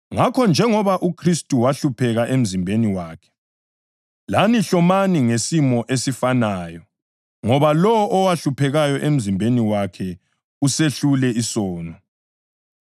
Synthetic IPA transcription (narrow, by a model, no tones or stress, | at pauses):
ŋakʰɔnd͡ʒʱɛŋɔβaʔukʰristʼuwaɬupʰɛɣaʔem̩zimbʱeniwaːkʰɛ̥ | laniɬɔmaniŋesimɔʔesifanaːjɔ | ŋɔβalɔwɔʔɔwaɬupʰɛɣajɔʔem̩zimbʱeniwakʰɛ | useɬulɛisɔːnɔ